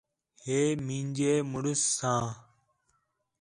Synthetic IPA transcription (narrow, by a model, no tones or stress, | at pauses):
heːmĩːɲd͡ʒeːmʊɽʊsːãː